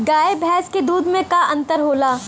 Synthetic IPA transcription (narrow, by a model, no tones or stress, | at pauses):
ɡaːebʱɛːsked̪uːd̪mẽkaʔɐ̃nt̪əɾɦoːlaː